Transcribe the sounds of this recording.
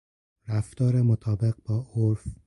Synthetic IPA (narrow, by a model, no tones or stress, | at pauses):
ɾæft̪ɒːɾemot̪ʰɒːbe̞ɣbɒːʔoɾf